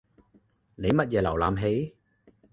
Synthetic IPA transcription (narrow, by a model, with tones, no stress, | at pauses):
ne˨˦ma˨˩t̚za˨˩la̰˨˩wlaː˧mɦe˨˦j